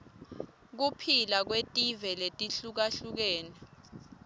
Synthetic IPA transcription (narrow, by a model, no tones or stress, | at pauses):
k̬upʰilak̬wetʼivɛletʼiɬuk̬aɬuk̬ɛːnɛ